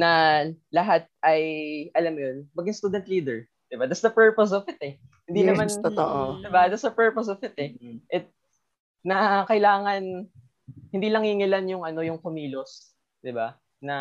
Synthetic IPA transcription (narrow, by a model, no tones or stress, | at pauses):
nɐlɐɦat̪̚ʔɐjʔɐlamjonmɐɡjɪŋst̪uːd̪ɛnt̪liːd̪ɛɹ | d̪̥ɪbad̪at̪sd̪ɐpɛɹpos̬ɔfɪt̪ɛ | hɪnd̪inɐmant̪oʔod̪ɪbad̪at̪sd̪ɐpɛɹpos̬ɔfɪt̪ɛʔɛt̪̚ | nɐkɐɪlaːŋɐn | hɪnd̪iːlɐŋhɪŋɪlanjʊŋɐno̞jʊŋkomiːlo̞s | d̪ɪba | nɐ